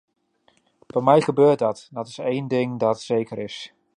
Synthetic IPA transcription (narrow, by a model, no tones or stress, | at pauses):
fɔmɛjχəbøːɹt̚dɑtdɑtɪ̥sejndɪŋdɑtsejkəɾɪs